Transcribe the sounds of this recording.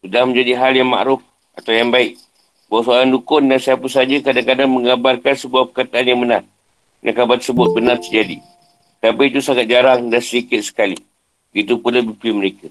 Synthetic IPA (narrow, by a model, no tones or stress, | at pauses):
sudahmə̃ɲd͡ʒadiɦaljaŋma̰ʔɾʊf | at̪awjaŋbaɪʔ̚ | bawaʔsoaɾandukʊndansiapəsad͡ʒəkadakadaŋməŋabarkansəbuahpəkat̪aːnjaŋbənar | da̰ŋkabat̪ə̥səbʊt̪̚bənart̪ərd͡ʒadḭ | t̪apiit̪usaŋat̪̚d͡ʒaɾaŋdansədikɪt̪̚sə̥kali | ɡit̪upunləbipiməɾeka